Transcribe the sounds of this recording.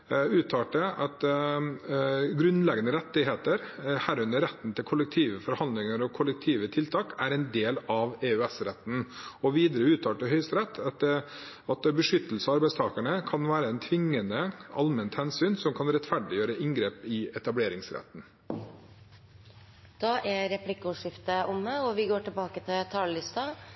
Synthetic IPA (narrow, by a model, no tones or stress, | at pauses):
ʉːt̪ʰɑːʈəʔɑt̪ | ɡɾʉnlɛɡənəɾɛt̪ːɪɦeːt̪əɾhæːɾʉnd̪əɾɛt̪ːn̩t̪ʰɪlkʰʊləkt̪ʰiːʋəfɔɾhɑnd̪lɪŋəɾɔkʰʊlək̚t̪ʰiːʋət̪ʰɪlt̪ʰɑːkæɾɛɪnd̪eːlɑʋeːʉɛsɾɛt̪n̩ɔʋiːd̪əɾəʉːt̪ʰɑːʈːəɦœʏst̪ɾɛt̪ːɑ | ɑt̪bəʂʏt̪ːəl̩səɑɾbæɪst̪ʰɑːkəɳəkʰɑnʋæːɾəɛɪnt̪ʰʋɪŋːənəʔɑlmənt̪hɛnsyːnsɔmkʰɑnɾɛt̪fæɖɪjøːɾəʔɪŋɡɾeːpɪɛt̪ɑbleːɾɪŋsɾɛ̰t̪n̩ | d̪̥ɑːʔɛɾɛpʰlɪkːɔːʂɪft̪əʔʊməɔʋɪɡoːʈɪbɑːkət̪ʰɪlt̪ʰɑːləlɪst̪ɑ